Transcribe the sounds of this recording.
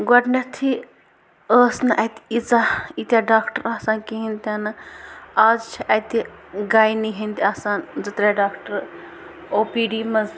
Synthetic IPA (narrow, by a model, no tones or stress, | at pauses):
ɡɐʈnɐɾt̪ʰi | əːsnɨʔɐt̪i̥it͡sait̪ʲaɖaːkʈəɾaːsaːnkiɦint̪anɨaːzt͡ʃʰiʔɐt̪i | ɡaːjniɦint̪iaːsaːnd͡zɐt̪ɾaɖaːkʈəɾ | oːpiːɖiːmɐz